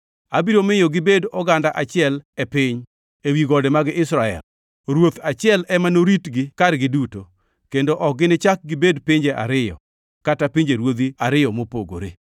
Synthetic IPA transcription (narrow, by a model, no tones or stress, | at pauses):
abiɾomɪjoɡɪbedɔɡandaʔat͡ʃɪɛlɛpɪɲ | ewiɡɔdɛmaɡɪʔɪsɾaɛ̰l | ɾwot̪at͡ʃɪɛlɛmanoɾitɡɪkaɾɡɪduto | kendoʔɔk̚ɡɪnɪt͡ʃak̚ɡɪbedpɪɲd͡ʒeʔa̰ɾɪjɔ̰ | katapɪɲd͡ʒeɾwod̪iaɾɪjɔmopo̰ɡo̰ɾḛ